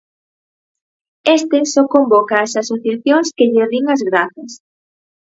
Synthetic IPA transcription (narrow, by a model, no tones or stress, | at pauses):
est̪ɪsɔkombɔkaːsasuθjaθjoŋskɪʎeðiŋɐzɣɾaθɐs